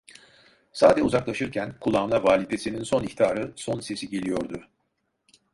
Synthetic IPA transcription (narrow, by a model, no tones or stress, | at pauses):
sa̰ːd̪ɛuzaklˠaʃɯɾcʰænkʰulˠamlˠavaːlʲid̪esininso̞niçt̪iaːɾɯso̞nse̞siɟelʲijo̞ɾd̪u